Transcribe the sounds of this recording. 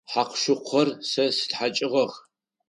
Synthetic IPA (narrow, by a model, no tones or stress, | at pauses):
ħaqʃʊqʷʰɔrsɐsɨ̥tħat͡ʃʼɪʁɐx